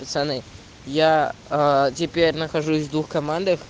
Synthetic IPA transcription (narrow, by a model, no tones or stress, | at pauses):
pət̪sɐnɨ | ja | tʲɪpʲeɾʲnəxɐʐusʲvd̪vuxkɐmand̪əx